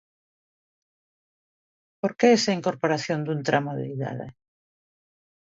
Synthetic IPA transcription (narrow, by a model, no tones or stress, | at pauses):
poɾkeesaiŋkoɾpoɾaθjond̪unt̪ɾʔamoðḛiða̰ðḛ